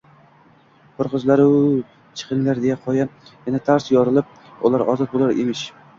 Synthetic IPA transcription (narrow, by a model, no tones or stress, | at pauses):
qʰʊɾqɨzlaɾɪ | t͡ʃʰɨ̥qʰɨŋlaɾd̪ejaqʰɒjajenat̪ʰaɾsjɒɾɪlˠɪp̚ | ʊ̰lˠaɾɒzɒt̪̚bolaɾḛmɪʃ